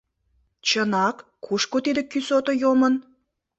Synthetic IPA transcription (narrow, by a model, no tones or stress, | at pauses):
t͡ɕənɑkːuʃkot̪id̪ə̆kysot̪ojomən